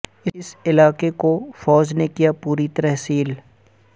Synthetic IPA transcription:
ɪsɪlaːkekofɔːd͡ʒnekijapuːɾit̪ɐɾɛɦsiːl

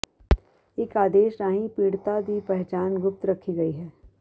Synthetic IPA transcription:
ɪkaːd̪eːʃɾaːɦĩpiːɽt̪ad̪ipɛɦt͡ʃaːnɡʊp̚t̪ɾɐkʰiɡɐiɦɛː

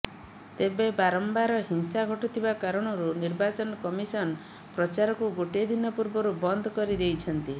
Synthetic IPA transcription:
t̪ebebaɾɔmbaɾɔɦinsaɡʱɔʈit̪ʰibakaɾɔɽ̃ɔɾuniɾbat͡ʃɔnɔkɔmisɔnɔ | pɾɔt͡ʃaɾɔkuɡoʈd̪inɔpuɾbɔɾubɔnd̪ʱɔkɔɾid̪ejt͡ʃʰɔnt̪i

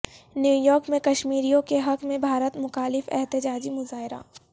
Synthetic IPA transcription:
njuːjɔːɾkmẽkɐʃmiːɾijõkeɦɐkmẽbʱaːɾət̪mʊxaːlɪfɛ̰ɦt̪ɪd͡ʒaːd͡ʒimʊzaːɦɪɾa̰ː

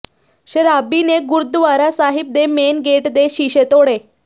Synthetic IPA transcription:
ɕeɾabineɡuɾd̪ʋaɾasaɦib̚d̪emenɡeʈd̪eɕiɕet̪oɽe

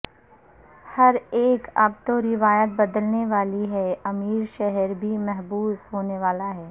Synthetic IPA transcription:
hɐɾeːkɐ̰b̚t̪oɾɪʋaːjət̪̚bɐd̪əlneʋaːliɦɛɐmiːɾʃɛɦəɾbʱimɛɦbuːsɦoːneʋaːlaɦɛː

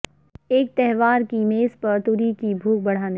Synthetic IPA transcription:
eːk̚t̪ɛɦʋaːɾkimeːspɐɾt̪uːɾikibʱuːk̚bɐɽ̤aːne

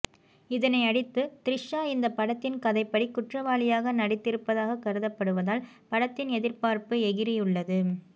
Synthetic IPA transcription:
ɪðɐnɐɪɐɽɪt̪ːɯt̪ɪɾɪʂːaːɪnd̪ɐpːɐɽɐt̪ːɪnkɐðɐɪpːɐɽikːʊʈrɐʋaːlɪjaːɣɐnɐɽɪt̪ːɪɾɯpːɐðaːɣɐkːɐɾɯðɐpːɐɽɯʋɐðaːl | pɐɽɐt̪ːɪnɛðɪɾpaːɾpɯɛɣɪɾɪjɯɭːɐðɯ

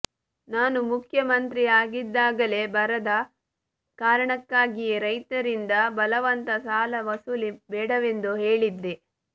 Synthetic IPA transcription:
naːnumukʰjɐmɐnt̪ɾiaːɡid̪ːaːɡɐle̞bɐɾɐd̪ɐ | kaːɾɐɳɐkːaːɡijeɾɐjt̪ɐɾind̪ɐbɐlɐʋɐnt̪ɐsaːlɐʋɐsulibɛːɽɐʋe̞nd̪uɦeːɭid̪ːe

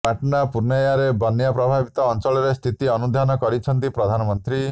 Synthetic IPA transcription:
paʈnapuɾnajaɾebɔnjapɾɔbʱabit̪ɔːnt͡ʃɔɭɔɾest̪ʰit̪iɔnud̪ʱanɔkɔɾit͡ʃʰɔnt̪ipɾɔd̪ʱanɔmɔnt̪ɾi

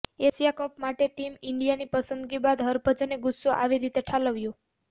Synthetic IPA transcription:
esijakəpmaʈeʈimɪɳɖijanipəsənd̪ɡibad̪ɦəɾbʱəd͡ʒəneɡʊsːoʔa̰ʋiɾit̪eʈʰaləʋjũ

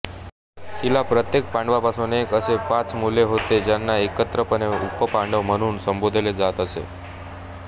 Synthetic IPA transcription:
t̪ilapɾət̪jek̚pãɳɖʋapasõnekəsepãt͡smuleɦot̪ed͡ʒanːaekət̪ɾəpəneupːəpãɳɖomənunsəmbod̪ʱeled͡zat̪əʃḛ

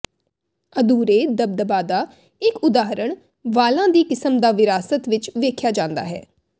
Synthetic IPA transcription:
əd̪uːɾeːd̪əb̚d̪əbaːd̪aː | ɪkʊd̪aːɦɾəɳ | ʋaːlãːd̪iːkɪsəmd̪aːʋɪɾaːsət̪ʋɪt͡ʃʋeːkʰjaːd͡ʒãːnd̪a̰ːɦɛ̰ː

